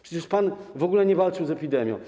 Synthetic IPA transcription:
pʂɛt͡ɕɛʂpanvɔɡulɛɲɛvalt͡ʂɨwzɛpʲid̪ɛmʲjɔ̰̃w̃

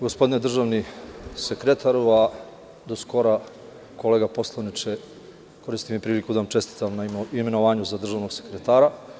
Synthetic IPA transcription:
ɡospod̪ined̪r̩ʒaːʋnisekɾe̞t̪ʰaɾʋa | d̪osko̞ɾa | ko̞leːɡapo̞slˠanit͡ʃe | ko̞ɾist̪imipɾiːlikud̪aʋamt͡ʃe̞st̪i̥t̪amnaime̞no̞ʋaːɲuzad̪r̩ʒaːʋno̞ɡsekɾet̪aːɾa

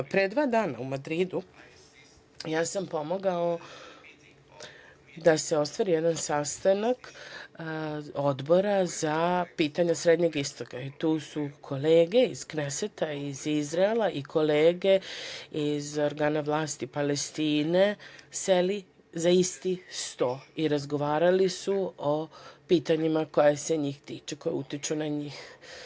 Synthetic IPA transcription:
pɾed̪ʋaːd̪aːna̰umad̪ɾid̪u | jaːsampo̞moɡao | d̪ase̞o̞st̪ʋaɾijed̪ansast̪anak | o̞d̪bo̞ɾazapiːt̪aɲasɾed̪ɲeɡist̪o̞kait̪uːsukʰo̞leːɡe̞iz̥kneset̪aizizɾaelˠaʔikʰo̞leːɡe̞izo̞ɾɡaːnaʋlaːst̪ipalest̪iːne̞seli | zaist̪ist̪o̞ːiɾazɡo̞ʋaːɾalisuopiːt̪aɲimako̞jeseɲiːxt̪iːt͡ʃeko̞jeut̪it͡ʃunaɲiːx

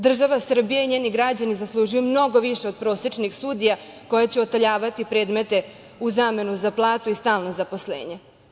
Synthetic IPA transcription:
d̪r̩ʒaʋasr̩bijaiɲe̞ːniɡɾad͡ʑanizaslˠuːʒujumno̞ɡo̞ʋiʃeo̞d̪̚pɾo̞set͡ʂnixsuːd̪ija | ko̞jat͡ɕeot̪aʎaːʋat̪ipɾe̞ːd̪me̞t̪e̞ | uzaːme̞nuzaplˠaːt̪uist̪aːlno̞zapo̞slḛːɲe

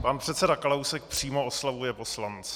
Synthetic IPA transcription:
panpr̝̥ɛt̪sɛdaklawsɛk̚pr̝̥iːmooslavujɛpo̞slant͡sɛ̥

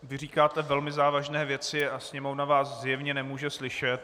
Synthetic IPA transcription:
vɪr̝iːkaːt̪ɛvɛlmɪzaːvaʒnɛːvjɛt͡sɪasɲɛmovnavaːszjɛvɲɛnɛmuːʒɛslɪʃɛt̪̚

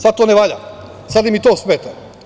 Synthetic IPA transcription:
sad̪̚t̪oːneʋaʎa̰ | sad̪imit̪oːsmet̪a

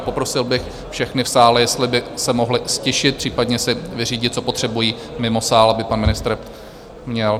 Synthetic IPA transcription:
po̞pɾo̞sɪlbɪx | fʃɛxnɪfsaːlɛjɛst̪lɪbɪsɛmoɦlɪscɪʃɪt̪̚pr̥iːpadɲɛsɪvɪriːɟɪt̪̚t͡so̞po̞t̪r̥ɛbujiːmɪmo̞saːlabɪpanmɪnɪst̪ɾ | mɲɛl

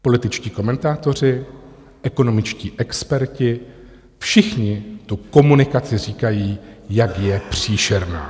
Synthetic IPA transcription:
po̞lɪt̪ɪt͡ʃciːko̞mɛnt̪aːt̪o̞r̝ɪ | ʔɛko̞no̞mɪt͡ʃciːʔɛkspɛɾcɪ | fʃɪxɲɪt̪uko̞munɪkat͡sɪriːkajiːjakjɛpr̝̥iːʃɛɾna̰ː

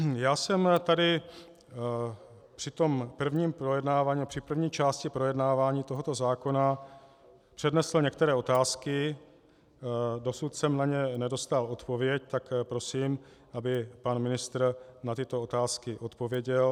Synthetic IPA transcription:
jaːsɛmt̪adɪ | pr̥ɪt̪o̞mpr̩vɲiːmpɾojɛdnaːvaːɲipr̥ɪpr̩vɲiːt͡ʃaːscɪpɾo̞jɛdnaːvaːɲiːt̪oɦo̞t̪o̞zaːko̞na | pr̥ɛdnɛsl̩ɲɛkt̪ɛɾɛːo̞t̪aːskɪ | do̞sut̪sɛmnaɲɛnɛdo̞st̪alo̞t̪po̞vjɛct̪akpɾo̞siːm | ʔabɪpanmɪnɪst̪ɾnat̪ɪt̪o̞ot̪aːskɪʔo̞t̪po̞vjɛɟɛl

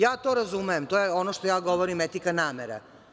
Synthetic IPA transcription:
jaːt̪oɾazumejemt̪ojeo̞noʃt̪ojaːɡo̞ʋoɾimet̪ikanaːmeɾa̰

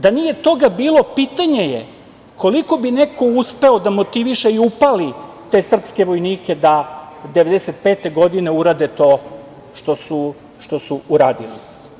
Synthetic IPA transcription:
d̪anije̞t̪o̞ɡabiːlo̞piːt̪aɲe̞jḛ | kʰo̞liko̞bine̞ko̞uspe̞o̞d̪amo̞t̪iʋiʃeiupali | t̪e̞sr̩pske̞ʋo̞jniːke̞d̪ad̪eʋe̞d̪ese̞t̪̚pe̞ːt̪e̞ɡo̞d̪ine̞uɾad̪e̞t̪o̞ | ʃt̪o̞su | ʃt̪o̞suuɾaːd̪ḭlḭ

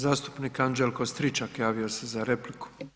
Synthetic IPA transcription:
zaːst̪u̥pniːkand͡ʒelˠkost̪ɾit͡ʃakjaːʋio̞se̞zaɾe̞pliku̥

